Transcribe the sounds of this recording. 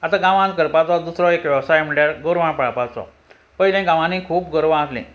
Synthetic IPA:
at̪aɡãʋãnt̪̚kəɾpat͡sɔd̪usɾɔekʋəʋsajm̤əɳʈjaɾɡəɾʋãpɽapat͡sɔ̰ | pəilɛ̃ɡãʋãnikʰuːpɡəɾʋãaslḭ̃

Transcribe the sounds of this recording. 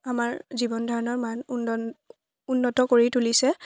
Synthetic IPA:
amaɹzibɔndʱɔɹɔnɔɹmanun | unːɔtɔkoɹitulisɛ

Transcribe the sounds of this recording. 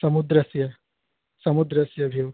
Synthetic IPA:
sɐmud̪ɾəsjɐ | sɐmud̪ɾəsjɐbʱiw

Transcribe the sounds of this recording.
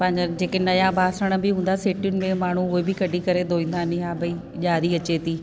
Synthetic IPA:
pɐ̃ɦɪ̃ɲd͡ʑad͡ʑeːkenɐjãbaːsəɽ̃ə̆bɪɦũːnd̪aseːʈijʊnɪ̆mẽmaːɳ̤uʊɦebɪkɐɖʱikɐɾed̪ʱoːĩːn̆d̪anɪɦaːbɐi | ʄaːɾiɐt͡ɕet̪ʰiː

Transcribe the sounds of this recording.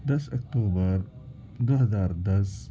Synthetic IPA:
d̪ɐsɐk̚ʈ̪uːbəɾ | d̪oɦɐzaːɾd̪ɐs

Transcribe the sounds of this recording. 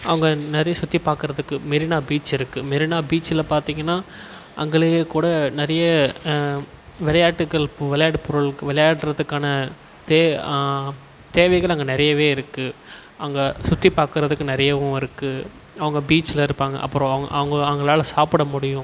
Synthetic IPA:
ʔɐʋɐŋɡɐnɪɾɐjɐsʊt̪ːipːaːɾkɯɾɐðɯkːɯmɪɾɪnaːbiːt͡ʃɪɾɯkːɯmɪɾɪnaːbiːt͡ʃɪlɐpaːɾt̪iːŋɡɐnːaː | ʔɐ̰ŋɡɐɭɯkːuːɽɐnɪɾɐjɐ | ʋɪlɐjaːʈːɯkːɐɭʋɪlɐjaːʈɯpʊɾɯɭkːʋɪlɐjaːʈːɾɐðɯkːaːnɐ | t̪ː | t̪eːʋɐɪɣɐɭɐŋɡɐnɪɾɐjɐʋeːɪɾɯkːɯ | ʔɐŋɡɐsʊt̪ːipːaːɾkɯɾɐðɯkːɯnɪɾɐjɐʋʊ̃ɪɾɯkːɯ | ɐʋɐŋɡɐbiːt͡ʃːɪlɐɪɾɯpːaːŋɡɐ̰ʔɐ̰pːɯɾõɐʋɐʔɐ̰ʋɐŋɡɐɐʋɐŋɡɐɭaːlɐsaːpɪɽɐmʊɽɪjʊ̃

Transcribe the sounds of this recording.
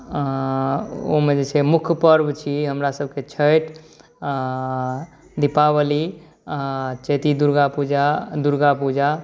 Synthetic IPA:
o̰med͡ʒet͡ʃʰemukʰpəɾbt͡ʃʰiɦəmɾasəb̚ʱket͡ʃʰəʈ | d̪ipabəli | t͡ʃet̪id̪uɾɡapud͡ʒad̪uɾɡapud͡ʒa

